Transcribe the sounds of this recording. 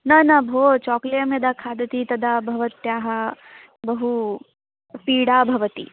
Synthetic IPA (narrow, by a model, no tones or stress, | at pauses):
nɐnɐbʱoːt͡ʃɔːklɐjɐmjɐd̪akʰaːd̪ɐt̪it̪ɐd̪abʱɐʋɐt̪jaːɦɐ̆ | bɐɦu | piːɽaːbʱɐʋɐt̪ḭ